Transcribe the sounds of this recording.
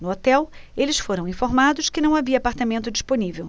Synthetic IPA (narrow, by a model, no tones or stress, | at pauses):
nʊot̪ɛwelɪsfoɾɐ̃w̃ĩfoɾmad̪ʊskɪnɐ̃w̃aviɐːpaɾt̪amẽnt̪ʊd͡ʒisponivew